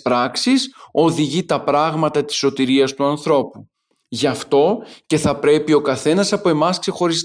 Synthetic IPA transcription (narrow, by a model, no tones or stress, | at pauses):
ɾɐksiso̞ðiʝit̪ɐpɾɐɣmɐt̪ɐt̪i̥so̞t̪iɾiɐst̪uɐnθɾo̞pu | ʝɐft̪o̞ce̞θɐpɾe̞pio̞kɐθe̞nɐsɐpoe̞mɐskse̞xo̞ɾis